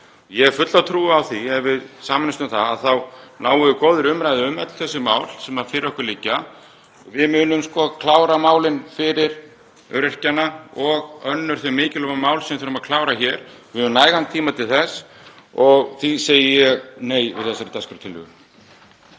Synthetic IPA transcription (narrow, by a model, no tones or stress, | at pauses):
jɛɣfʏt̪lawt̪ʰɾuːawθiɛɾvɪðsaːmɪnɪst̪ʏmθaðaðθawnaːwʏðʏkoːwðʏɾʏmɾajðɪʏmœt̪l̥θɛsːʏmaːwl̥sɛmaɾfɪɾɪɾɔhkʏɾlicːa | vɪðmʏːnʏmskɔːkʰlaːwɾamaːwlɪnfɪɾɪɾ | œ̰ɾɪr̥canaɔɣœnːʏɾ̥θœjmɪːcɪlɔmamaːwlsɛmθʏːɾmaðkʰlaːwɾaçɛːɾvɪnaːjɣant̪ʰiːmat̪ʰɪlθɛs | ɔɣθiseːjɪjɛɣneːjvɪ̰ðθɛsːaɾɪt̪ʰɛskʏɾt̪ʰɪlːʏ̰ɣʏ